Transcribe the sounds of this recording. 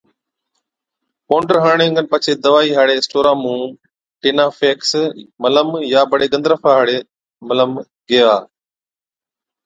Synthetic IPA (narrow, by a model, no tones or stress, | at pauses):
poːɳɖəɾɦaːɳ̃ẽːŋɡənpət͡ʃʰeːd̪əʋaːiːɦaːɽeːsʈoːɾãːmũː | ʈeːnaːfeːksmələmjaːbəɽeːɡə̃nd̪ɾəfʰaːɦaːɽeː | mələm | ɡeːaː